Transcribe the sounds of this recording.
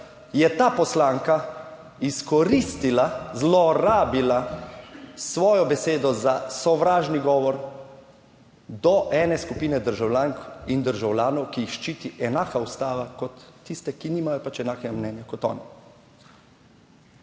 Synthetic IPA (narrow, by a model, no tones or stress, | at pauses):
jɛt̪aːpɔslaːŋka | iskɔɾist̪ilazlɔɾaːbila | sʋɔːjɔbɛseːd̪ɔzasɔʋɾaːʒniɡɔːʋɔɾ | d̪ɔʔɛːnɛskupiːnɛd̪əɾʒawlʲaːŋkind̪əɾʒawlʲjaːnɔwkiixʃt͡ʃiːt̪iʔɛnaːkaust̪aːʋakɔt̪ːist̪ɛkiniːmajɔpat͡ʃɛnaːkɛɡamnɛːnjakɔt̪ɔ̰ːni